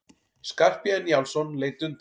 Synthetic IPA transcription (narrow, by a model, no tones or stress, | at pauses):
skar̥pjanjawlsɔnleːjt̪ʏnt̪